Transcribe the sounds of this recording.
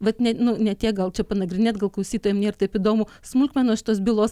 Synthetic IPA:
ʋɐt̪nʲɛnʊnʲɛt̪ʲiɛkɡɐlˠt͡ʃʲɛpɐnɐɡɾʲɪnʲeːt̪̚ɡɐlˠklˠɐʊsʲiːt̪oːjɛmnʲeːɾt̪ɐɪpid̪oːmusmʊlʲkmʲɛnoːsʃʲɪt̪oːsbʲɪlˠoːs

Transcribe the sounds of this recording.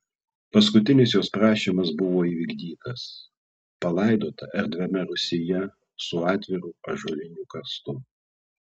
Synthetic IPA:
pɐs̬kʊt̪ʲɪnʲɪsjoːspɾɑːʃʲiːmɐsbʊʋoːiːʋʲiːɡd̪ʲiːt̪ɐs | pɐlˠɐɪd̪oːt̪ɐʔɛɾʲd̪ʲʋʲɛmʲɛɾʊsʲɪjɛ | sʊɑːt̪ʲʋʲɪɾuːɐʒoːlʲɪnʲuːkɐst̪ʊ

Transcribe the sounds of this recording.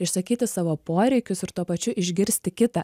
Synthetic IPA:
ɪʃsɐkʲiːt̪ʲɪsɑːʋoːpoːɾʲɛɪkʲʊsɪɾt̪uɔpɐt͡ʃʲʊʔɪʒʲɡʲɪɾʲsʲt̪ʲɪkʲɪt̪ɐ

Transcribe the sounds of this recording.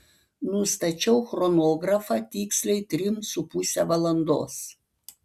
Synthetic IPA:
nʊst̪ɐt͡ʃʲɛʊxɾɔnoːɡɾɐfɑt̪ʲiːksʲlʲɛɪt̪ʲɾʲɪmsʊpusʲɛʋɐlˠɐnd̪o̰ːs

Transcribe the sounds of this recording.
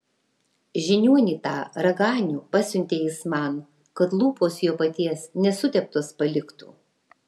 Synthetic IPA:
ʒʲɪnʲuɔnʲiːt̪ɑːɾɐɡɑːnʲuːpɑsʲʊnʲt̪ʲeɪsmɑn | kɐt̪lˠuːpoːsjuːpɐt̪ʲiɛsnʲɛsʊt̪ʲɛp̚t̪oːspɐlʲɪkt̪ṵː

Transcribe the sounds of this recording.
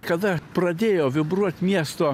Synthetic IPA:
kɐd̪apɾɐd̪ʲejɔvʲɪbɾot̪ʲmʲest̪ɔ

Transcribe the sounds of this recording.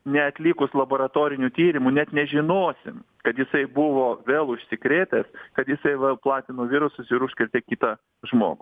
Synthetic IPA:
nʲɛɐt̪ʲlʲɪkʊslˠɐboːɾɐt̪oːɾʲɪnʲut̪ʲiːɾʲɪmʊnʲɛt̪nʲɛʒʲɪnoːsʲɪ̰m | kɐt̪jɪsɐɪbʊʋoːʋʲeːlˠʊʃʲsʲɪkɾʲeːt̪ʲɛskɐt̪jɪsɐɪʋɐlˠplˠɑːt̪ʲɪnoːʋʲɪɾʊsʊsɪɾʊʃʲsʲkʲɪɾʲt̪ʲɛːkʲiːt̪ɐ | ʒmo̰ːɡʊ

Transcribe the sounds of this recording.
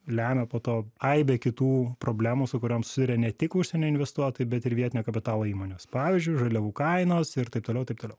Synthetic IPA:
lʲæːmʲɛpoːt̪oːɐɪbʲeːkʲɪt̪uːpɾoːbʲlʲæːmusʊkʊɾʲoːmsʊ̥sʲɪd̪ʊɾʲɛnʲɛt̪ʲɪkʊʃʲsʲɛnʲoːɪnʲʋʲɛst̪uɔt̪oːjɪbʲɛt̪ɪɾʋʲiɛt̪ʲɪnʲoːkɐpʲɪt̪ɑːlˠoːiːmoːnʲoːspɑːʋʲʋʲiːzʲd͡ʒʲʊɪʒɐlʲɛʋuːkɐɪnoːsɪɾt̪ɐɪp̚t̪oːlʲɛʊt̪ɐɪpt̪oːlɛʊ

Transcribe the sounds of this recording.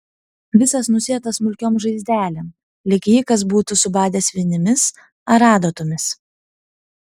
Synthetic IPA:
ʋʲɪsɐsnʊsʲiɛt̪ɐsmʊlʲkʲoːmʒɐɪzʲd̪ʲæːlʲɛm | lʲɪkʲiːkɐs̬buːt̪ʊsʊbɑːd̪ʲeːsʲʋʲɪnʲɪmʲɪs | ɐɾɑːd̪oːt̪ʊmʲɪs

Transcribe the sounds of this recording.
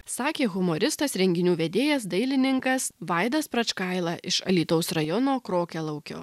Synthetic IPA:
sɑːkʲeːɣʊmoɾʲɪst̪ɐsɾʲɛŋʲɡʲɪnʲuːʋʲed̪ʲeːjɛsd̪ɐɪlʲɪnʲɪŋkɐsʋɑɪd̪ɐspɾɐt͡ʃkɑɪlˠɑʔɪʃɐ̰lʲiːt̪oʊsɾɐjɔnoːkɾoːkʲɛlˠɐʊkʲo̰ː

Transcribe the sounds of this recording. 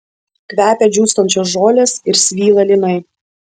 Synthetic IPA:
kʋʲæːpʲɛd͡ʒʲuːst̪ɔnʲt͡ʃʲoːs̬ʒoːlʲeːsɪɾsʲʋʲiːlˠɐlʲɪnɐɪ

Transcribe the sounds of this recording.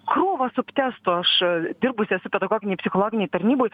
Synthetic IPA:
kɾuɔʋɐsʊpʲt̪ʲæːst̪ʊɐʃd̪ʲɪrbʊsʲɪɛsʊpʲɛd̪ɐɡɔːɡʲɪnʲɛjpʲsʲɪxolˠoːɡʲɪnʲɛjt̪ɐɾʲnʲiːboːj

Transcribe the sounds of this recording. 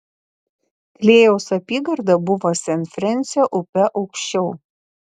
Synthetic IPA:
klʲeːjɛʊsɐpʲiːɡɐɾd̪ɐbʊʋosʲɛnʲfʲɾʲɛnʲˑsʲjɛʔʊpʲɛʔɒʊkʃʲt͡ʃʲɛʊ

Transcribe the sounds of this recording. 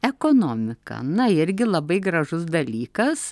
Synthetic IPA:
ɛkoːnoːmʲɪkɐ̰nɐɪɾʲɡʲɪlˠɐbɐɪɡɾɐʒʊsd̪ɐlʲiːkɐs

